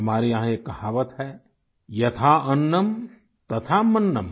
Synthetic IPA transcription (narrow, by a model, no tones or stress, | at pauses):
ɐmaːɾijɐ̃ɦãjekːɐhaːʋət̪ɦɛ | jɐt̪ʰaɐnːəm | t̪ɐt̪ʰamɐnːəm